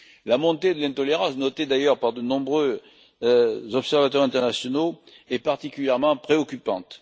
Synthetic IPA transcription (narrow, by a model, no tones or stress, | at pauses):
lamɔ̃t̪ed̪əlɛ̃t̪ɔleʁɑ̃snɔt̪ed̪ajœʁpaʁd̪ənɔ̃bʁø | zɔpsɛʁvat̪wœʁɛ̃t̪ɛʁnasjɔno | ɛpaʁt̪ikʲyljɛʁmɑ̃pχeɔkʲypɑ̃t̪